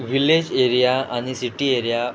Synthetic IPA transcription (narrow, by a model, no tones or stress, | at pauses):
ʋiled͡ʑeɾijaaɽ̃isiʈieɾija